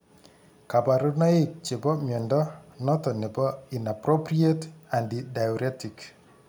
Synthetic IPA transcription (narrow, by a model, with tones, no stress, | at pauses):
ka˨pa˨ɾuna˦ɪk̚t͡ʃe˨bɔ˦mjɛ˨ndɔ˦nɔ˦tɔ˨ne˨bɔ˦i˨na˨pɾopɾietandidajɔɾɛtik